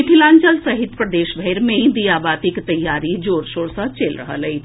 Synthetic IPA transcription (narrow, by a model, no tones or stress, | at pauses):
ɪʈʰɪlãːɲt͡ʃəlsɐɦɪt̪pɾəd̪eːʃbʱɛːɾmẽd̪ijaːbaːt̪ɪkt̪ɐjːaːɾid͡ʒoːɾʃoːɽsət͡ʃeːlɾə̰ɦə̰lɐi